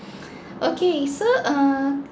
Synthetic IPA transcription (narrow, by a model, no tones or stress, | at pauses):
ʔokʰesoʔʌ